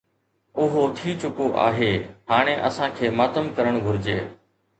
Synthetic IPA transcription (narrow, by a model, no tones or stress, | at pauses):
ʊɦoːt̪ʰiːt͡ɕʊkoʔa̰ːɦeːɦaːɽ̃ẽːʔəsãːkʰeːmaːt̪əmkəɾəɽ̃ɡʱʊɾɪd͡ʑeː